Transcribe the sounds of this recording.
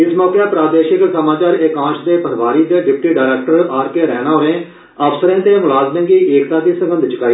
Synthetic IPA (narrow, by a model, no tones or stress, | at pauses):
ɪsmɔːkeːaːpɾaːd̪eːʃɪksəmaːt͡ʃaːɾɪkãːʃd̪eːpəɾʋaːɾiːd̪eːɖɪp̚ʈiːɖaːɪɾɛːk̚ʈəɾaːɾkeːɾɛːnãːɦoẽː | əpsəɾẽːt̪eːmʊlaːzmẽːɡiːeːkt̪ãːt̪iːsə̃ŋɡənd̪ʱt͡ʃɪkaːiː